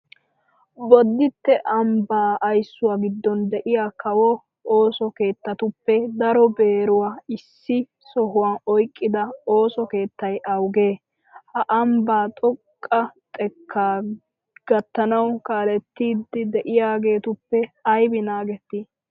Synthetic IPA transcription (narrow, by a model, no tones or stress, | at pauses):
bɔd̪ːɪt̪ːɛʔɐmbaːɐjsːʊwaːɡɪd̪ːɔnd̪ɛʔɪjaːkɐwɔ | oːsɔke̞ːt̪ːɐt̪ʊpːɛd̪ɐɾɔbe̞ːɾʊwaːɪsːɪ | sɔɦʊwaːnɔjkʼːɪd̪ɐo̞ːsɔke̞ːt̪ːɐjʔɐwɡe̞ː | hɐʔɐmbaːt̪ʼɔkʼːɐt̪ʼɛkʰːaː | ɡ̥ɐt̪ːɐnɐwkaːlɛt̪ːiːd̪ːɪd̪ɛʔɪjaːɡe̞ːt̪ʊpːɛɐjbɪnaːɡɛt̪ːi